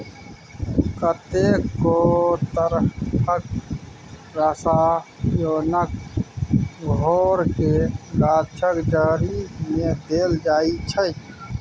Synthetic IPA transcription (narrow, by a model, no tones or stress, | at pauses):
kət̪eːkːot̪əɾʰək̚ | ɾəsaːjoːnək̚ | ɡʱoːɾkeɡaːdt͡ʃʰəkd͡ʒaːɾimẽd̪eːld͡ʒaːit͡ʃʰə